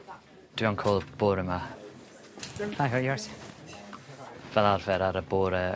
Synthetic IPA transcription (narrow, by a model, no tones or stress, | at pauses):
d̥wɪɔnkʰoːlˠb̥oːɾəma | aɦɔjɔɹs | vɛlˠarvɛɾaɾəboːɾə